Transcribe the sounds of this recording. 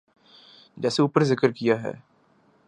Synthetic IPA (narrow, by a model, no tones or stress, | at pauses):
d͡ʒɛːseuːpəɾzɪkəɾkijaɦɛ̰ː